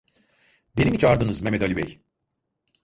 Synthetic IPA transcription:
benimit͡ʃaɾd̪ɯnɯzmemɛd̪alʲibɛ̰j

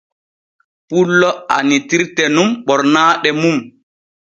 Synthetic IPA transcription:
pulːɔa̰nitiɾtɛnumɓɔɾnaːɗɛmum

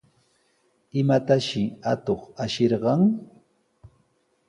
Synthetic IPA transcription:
ɪmat̪aʃɪat̪oχaʃeɾɢɑŋ

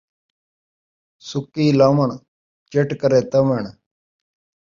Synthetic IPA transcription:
sʊkːiːlaːməɳ | t͡ʃeʈkəɾeːt̪əmeɳ

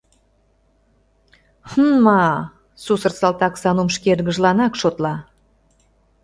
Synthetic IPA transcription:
hnmɑ | susərsɑlt̪ɑksɑnumʃkerɣə̆ʒlɑnɑkʃot̪lɑ

